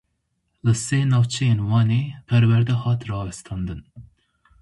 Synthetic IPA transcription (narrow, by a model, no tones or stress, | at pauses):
lɨseːnɑːwt͡ʃʰɛjeːnwɑːneːpʰɛɾwɛɾd̪ɛhɑːt̪rɑːwɛst̪ʰɑːnd̪ɨn